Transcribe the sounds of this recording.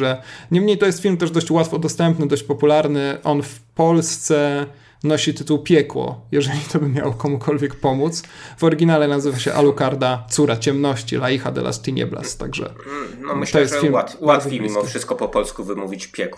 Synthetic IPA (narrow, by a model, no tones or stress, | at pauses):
ɛɲɛmɲejt̪ɔjɛst̪fʲilmt̪̬ɛʐd̪ɔɕt͡ɕwat̪fɔd̪ɔst̪ɛmpnɘd̪ɔɕt͡ɕpɔpulaɾnɘʔɔnfpɔlst̪sɛ | nɔɕit̪ɘt̪uwpʲjɛkwɔ̰jɛʐɛlʲit̪ʰɔbɘmʲja̰wɔkɔmukʰɔlvʲjɛkpɔmut̪svɔɾɘɡʲinalɛnazɘvaɕɛ̰ʔa̰lukaɾd̪at̪suɾat͡ɕɛmnɔɕt͡ɕḭlaixad̪ɛ̰la̰st̪ʲiɲɛ̰bla̰st̪a̰ɡʐɛ̰nmt̪ɔjjɛsfilmawafʲemʲimɔfʂɨst̪̚kɔpɔpɔlskuvɘmuvʲit͡ɕpʲjɛkw